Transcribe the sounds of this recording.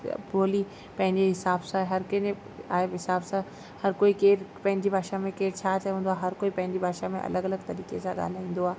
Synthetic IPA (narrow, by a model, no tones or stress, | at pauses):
pɾoːli | pɐ̃ɦɪ̃ɲd͡ʑeɦɪsaːbsãɦɐɾkɐn | aːɪbɦɪsaːbsã | hɐɾkoːikeːɾpɐ̃ɦɪ̃ɲd͡ʑibʱaːʃamẽkeːɾt͡ɕʰat͡ɕɐɦũːnd̪oaːɦɐɾkoːipɐ̃ɦɪ̃ɲd͡ʑibʱaːʃamẽʔɐ̰ləɡɐləɡt̪ɐɾiːkḛsãɠa̰ːl̤aːĩːn̆d̪oaːɦ